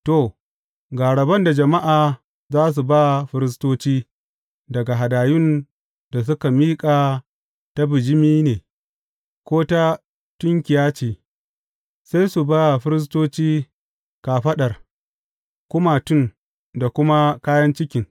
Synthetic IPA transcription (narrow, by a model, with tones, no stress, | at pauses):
to˨ | ɡaː˨ɽɐ˨bɐ˦nda˨d͡ʒɐ˨ma˦ʔaː˨ | zaː˦s̬u˨ba˦ɸɪ˦ɾɪ˦s̬toː˦t͡ʃiː˦ | dɐ˨ɡa˨ɦa˨daː˨jʊ˦n | da˨s̬ʊ˦ka˨miː˦kʼaː˨ | ta˦bɪ˨d͡ʒɪ˦miː˦neː˨ | kʷoː˦ta˦ | tʊ˦ŋkʲɪ˨jaː˦t͡ʃiː˨ | sa˦jsu˨ba˦ɸɪ˦ɾɪ˦s̬toː˦t͡ʃiː˦ | ka˨ɸɐ˦ɗɐ˨r | kʷʊ˦maː˨tʊ˦˨n | da˨kʷʊ˦ma˦kaː˦jɐ˦nt͡ʃɪ˦kʲɪ˨ŋ